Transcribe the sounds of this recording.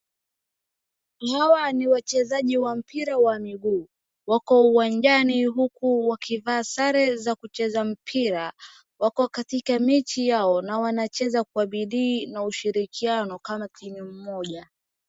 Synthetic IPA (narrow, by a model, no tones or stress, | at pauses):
hawaniwat͡ʃɛzaʄiwam̩piɾawamiɡuː | wakɔuwaɲd͡ʒaniɦukuwakʰivaːsaɾɛzakut͡ʃɛzam̩pʰiɾa | wakɔkatikamit͡ʃijaɔnawanat͡ʃɛzakuaɓiɗiːnauʃiɾikʰianɔkamakiɲum̩mɔʄa